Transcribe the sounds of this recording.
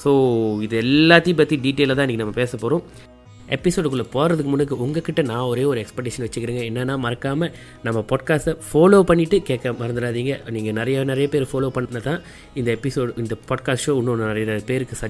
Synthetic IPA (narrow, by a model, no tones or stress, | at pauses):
soːɪðɯɛlːaːt̪ːɪj̃p̬ɐt̪ːiɖiːʈːeːlːɐt̪ãːɪnikːɨnɐmːɐpeːsɐpːoːɾʊ̃ | ɛpːɪsoːɖɯk̬ːʊɭːɐpoːɾɐðɯkːɯmʊndɯkːɯʊŋɡɐkɪʈːɐnãːɔɾeːɔɾɯɛkspɛkʈːɪʂɐnʋɐt͡ʃːɯkːɪɾiːŋɡɐɛnːɐnːãːmɐɾɐkːaːmɐ | nɐmːɐpaːʈkaːsʈɐfoːloːpɐɳːɪʈːɯkeːkːɐmɐɾɐnd̪ɯɾaːðiːŋɡɐniːŋɡɐnɪɾɐjɐnɪɾɐjɐpeːɾfoːloːpɐɳːnːɐt̪ãː | ɪnd̪ɐɛpːɪsoːɽɪnd̪ɐpaːɖkaːsʈʂoːʊnːonnɐɾɐjpeːɾɯkːɯsɐ